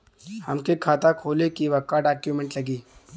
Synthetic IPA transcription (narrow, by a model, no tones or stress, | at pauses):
hɐmkekʰaːt̪akʰoːlekiʋɐkaːɖaːkjumɛ̃ɳʈlɐɡiː